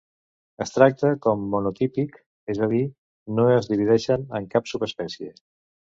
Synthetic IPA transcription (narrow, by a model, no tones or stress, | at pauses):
əst̪ɾak̚t̪əkɔmːunut̪ipik | ezəð̞i | noəzðiβ̞iðɛʃənəŋkapsupəspɛsie